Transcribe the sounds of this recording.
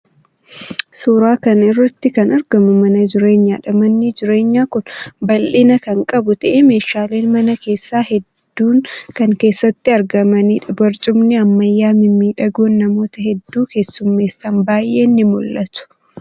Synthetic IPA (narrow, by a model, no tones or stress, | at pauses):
suːɾaːkɐnɪrːɐt̪ːɪkɐnɐɾɡɐmʊmɐnɐd͡ʒɪɾe̞ːɲːaːᶑɐmɐnːɪd͡ʒɪɾe̞ːɲːaːkʊnbɐlʔɪnɐkɐŋkʼɐbʊt̪ɐʔeme̞ːʃaːle̞ːnmɐnɐke̞ːsːaːhɛd̪ːuːnkɐŋke̞ːsːɐt̪ːɪɐɾɡɐmɐniːᶑɐbɐɾt͡ʃʼʊmnɪɐmːɐjːaːmɪmiːᶑɐɡoːnːɐmo̞ːt̪ɐɦɛd̪ːuːke̞ːsːʊmːe̞ːsːaːnbaːjʔe̞ːnːɪmʊlːɐt̪ʊ̥